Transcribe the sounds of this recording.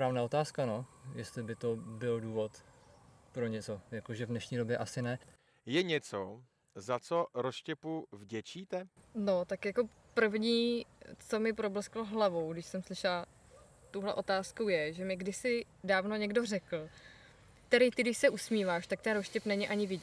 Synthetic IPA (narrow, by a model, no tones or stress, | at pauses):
spɾaːvnaːo̞t̪aːskanojɛst̪lɪbɪt̪obɪlduːvo̞t̪ | pɾo̞ɲɛt͡so̞jakoʒɛvdnɛʃɲiːdo̞bjɛʔasɪnɛ | jɛɲɛt͡so | zat͡soɾoscɛpuvɟɛt͡ʃiːt̪ɛno̞t̪akjako̞ | pr̩vɲiːt͡so̞mɪpɾo̞bl̩skloɦlavo̞wɡdɪʃsɛmslɪʃɛla | t̪owɦlɛ̰ʔo̞t̪aːskowjɛʒɛmɪɡdɪsɪ | daːvno̞ɲɛɡdo̞rɛkl̩ | t̪ɛɾɪt̪ɪɡdɪʃsɛʔusmiːvaːʃt̪ak̚t̪ɛnɾoscɛpnɛɲɪʔaɲɪvɪɟɛ